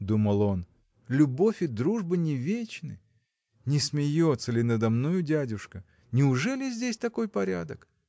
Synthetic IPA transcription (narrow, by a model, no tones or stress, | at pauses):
d̪uməlˠo̞n | lʲʊbo̞fʲɪd̪ɾuʐbɨnʲɪvʲet͡ɕnɨ̰j | nʲɪsmʲɪjo̞t̪səlʲɪnəd̪ɐmnojʊdʲædʲʊʂkə | nʲɪʊʐɛlʲɪzʲdʲesʲt̪ɐko̞jpɐɾʲa̰d̪ək